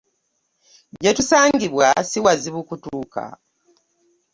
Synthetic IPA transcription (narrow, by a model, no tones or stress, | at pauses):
ɟetusaːŋɡiβwasiwaziβukutuːka̰